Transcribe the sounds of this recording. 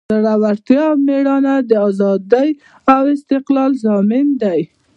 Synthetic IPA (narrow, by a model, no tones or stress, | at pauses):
aɽawaɾt̪jɑmeɽɑnad̪əɑzɑd̪əj | awɪst̪ɪqlɑlzɑmɪnd̪aj